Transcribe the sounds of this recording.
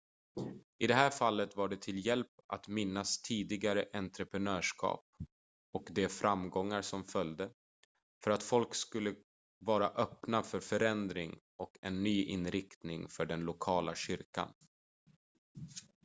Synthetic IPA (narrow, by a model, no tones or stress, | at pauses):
ʔɪd̪ɛɦæːɾfalːət̪vaɖɛt̪ʰɪljɛlpa̰t̪mɪnːast̪ʰiːd̪ɪɡaɾəʔɛnt̪ɾəpɾɛnœːʂkʰɑ̰ːp̚ | ɔkd̪ɛfɾʔamɡɔŋːaɾsɔmfœljd̪ə | fœɾat̪fɔlkskɵlːə | vɑːɾaʔœpnafœɾfœɾɛnd̪ɾɪŋ | ɔkɛnːyːʔɪnɾɪkt̪nɪŋfœɖɛnlʊkʰɑːlaɕʏɾka̰n